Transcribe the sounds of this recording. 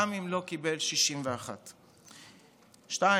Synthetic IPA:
amimlo̞kibe̞lʃiʃimveaχat̪ | ʃta

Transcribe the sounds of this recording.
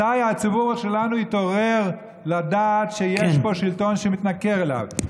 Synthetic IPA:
ajat͡sibuʁʃelanuit̪o̞ʁe̞ʁ | lad̪at̪ʃejeʃbo̞ʃilto̞nʃemit̪nakeʁela̰v

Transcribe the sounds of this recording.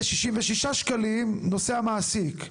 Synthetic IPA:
ʃiʃimveʃiʃaʃkalimno̞seamaːsik

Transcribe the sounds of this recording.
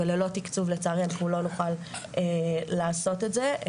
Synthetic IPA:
elelo̞tikt͡suvlet͡saʁenkulo̞nuχal | elaːso̞te̞tze

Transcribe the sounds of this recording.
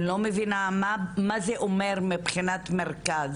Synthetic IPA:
lomevinamamazeʔomeʁmipχinat̪meʁkaz

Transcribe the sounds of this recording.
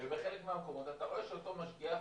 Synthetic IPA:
eveχelekmeamko̞mo̞t̪at̪aʁoeʃeot̪o̞maʃɡia

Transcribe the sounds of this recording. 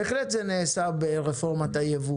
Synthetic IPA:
eχlet̪zeneːsabeʁefoʁmat̪ajevu

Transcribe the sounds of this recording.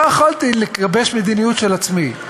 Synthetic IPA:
jaχalt̪iliklabe̞ʃmed̪inijut̪ʃelat͡smi

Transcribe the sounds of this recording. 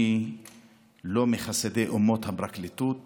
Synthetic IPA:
i | lomeχased̪eʔumot̪habɾaklit̪ut̪̚

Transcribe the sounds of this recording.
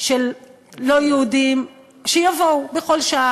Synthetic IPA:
ʃelː | o̞jeudim | ʃejavoubexo̞lʃaa

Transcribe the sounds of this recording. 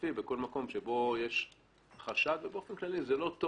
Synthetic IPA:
ibeko̞lmako̞mʃebo̞jeʃ | χaʃad̪vebeo̞fenklalizelo̞t̪o

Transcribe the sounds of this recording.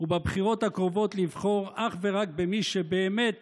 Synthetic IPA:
ubebχiʁo̞t̪hakʁovo̞t̪livχo̞ʁʔaχve̞ʁak̚bemiʃebeːmet̪

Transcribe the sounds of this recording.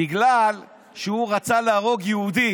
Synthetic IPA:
iɡlal | ʃeuʁat͡salaːʁo̞ɡjehud̪i

